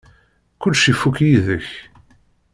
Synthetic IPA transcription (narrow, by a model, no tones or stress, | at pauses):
kʊlːʃifːukjiðəç